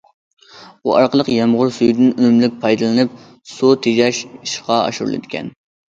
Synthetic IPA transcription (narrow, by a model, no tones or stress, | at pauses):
uɑ̰ɾqəlˠəqjɑmʁʊɾsyjd̪ɪnynymlɪk̚ʲpʰɑjd̪ɨlˠɨnɨp̚ | sot̪ʰeʒɛʃiʃqɑɑ̰ʃuɾulˠɨ̰d̪ɪ̥kʲʰɛ̰n